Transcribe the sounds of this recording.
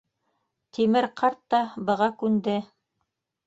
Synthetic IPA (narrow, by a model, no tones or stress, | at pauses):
t̪imɘɾqʰɑɾt̪ːɑbɤ̆ʁɑkʉnd̪ɘ